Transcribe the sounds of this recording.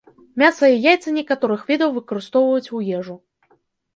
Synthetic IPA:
mʲasɐjɛjajt̪sɨnʲɛkat̪ɔɾɨxvʲɛd̪ɐwvɨkɐɾɨst̪ɔwvɐjut͡sʲujɛʐu

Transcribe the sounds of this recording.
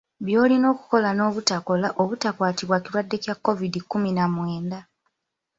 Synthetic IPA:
βjo̞ːlino̞ːku̥ko̞lano̞ːβutako̞laʔoβutakwaːtiβwaciɾwadːe̞cjakːo̞vidikːuminamwe̞ːnda

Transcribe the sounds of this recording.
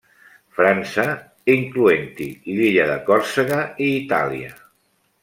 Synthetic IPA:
fɾansə | iŋkluent̪iliʎəðə̰kɔɾsəɣəiːt̪a̰liə̰

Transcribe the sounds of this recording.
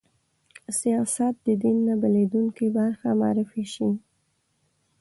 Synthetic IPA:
sijɑsat̪̚d̪əd̪inːabaled̪uŋkibaɾxamɑ̰ɾɪfiʃi

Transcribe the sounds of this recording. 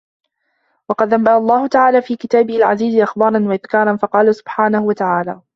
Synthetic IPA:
wɑqɑd̪ʔambaʔɑlˤːɑːhʊt̪aʕaːlaːfiːkɪt̪aːbɪhɪalʕaziːzɪʔaxbɑːɾˤɑnwaʔɪðkɑːɾˤɑnfɑqɑːlasʊ̥b̥ħaːnahʊwat̪aʕaːla̰ː

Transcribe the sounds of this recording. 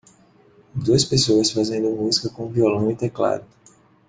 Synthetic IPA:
d̪uɐspesoɐsfazẽnd̪ʊmuzikɐkõviolɐ̃w̃it̪ekla̰d̪ʊ

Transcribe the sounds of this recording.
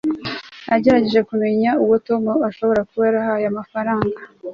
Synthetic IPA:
aɟe̞ɾaɟe̞ʒe̞kume̞ɲauwoto̞moaʃo̞βo̞ɾakuβaɾahajamafaɾaːŋɡa

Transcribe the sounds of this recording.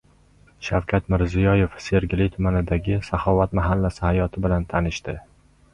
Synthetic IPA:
ʃawkʲʰat̪mɪɾzijɒje̞fse̞ɾɡʲɪlɪt̪ʰʊmanɪd̪aɡʲɪsahɒvat̪maɦalːasɪhajɒt̪ʰɪbɪlant̪ʰanɪʃt̪ɪ

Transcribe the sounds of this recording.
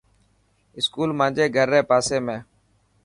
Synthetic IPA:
ɪskuːlmãːd͡ʒeːɡʱəɾːeːpaːseːmẽː

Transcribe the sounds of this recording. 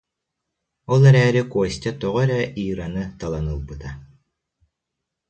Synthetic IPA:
ɔlˠɛɾɛːɾikuɔst̪ʲat̪ɔʁɔɾɛʔiːɾanɯt̪alˠanɯlˠbɯt̪a

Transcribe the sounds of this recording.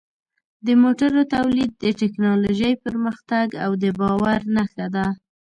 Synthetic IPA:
d̪əmoʈaɾot̪awlid̪̚ːəʈɪknɑloʒəjpəɾməxt̪aɡawd̪əbɑwaɾnaxad̪a

